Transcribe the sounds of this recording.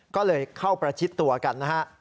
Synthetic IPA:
kɔː˥˩lɤː˧jkʰa˥˩wpɾa˧t͡ɕʰi˦˥t̪ːu˧ɐka˧nːa˦˥ka˦˥ʔ

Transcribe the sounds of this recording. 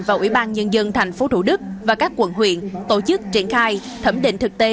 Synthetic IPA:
vaː˨˩ʔwḭ˧˩ɓaː˧nɲə˧nzə˧nt̪ʰa˨˩jŋ̟fo˨˧˦t̪u˧˩ɗɨ˦˥k̚vaː˨˩kaː˦˥kːwə̰˧˨nɦwḭ˧˨ənt̪o˧˩t͡ɕɨ˦˥k̚t͡ɕi˧˩ənxaː˧j | t̪ʰə˧˩mɗḭ̈˧˨ŋ̟t̪ɨ˨˩k̚t̪e˧˦

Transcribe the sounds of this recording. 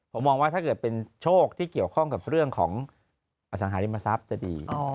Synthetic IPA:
pʰo˩˦mːɔː˧ŋwaː˦˥t̪ʰaː˥˩kɤː˨˩t̪̚pe˧nt͡ɕʰoː˥˩k̚t̪ʰiː˥˩ki˨˩əwkʰɔ˥˩ŋka˨˩p̚ɾɯ˥˩əŋkʰɔː˩˦ŋ | ʔa˧˩s̬a˩˦ɦaː˩˦li˧ma˧sa˦˥p̚t͡ɕa˨˩dḭː˧

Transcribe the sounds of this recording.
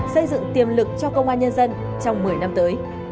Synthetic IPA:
sə˧jzɨ̰˧˨ŋt̪i˨˩əmlɨ˨˩k̚t͡ɕɔ˧kə˧wŋ͡mʔaː˧nɲə˧nzə˧n | t͡ɕɔ˧wŋ͡mmɨ˨˩əjna˧mt̪əː˨˦j

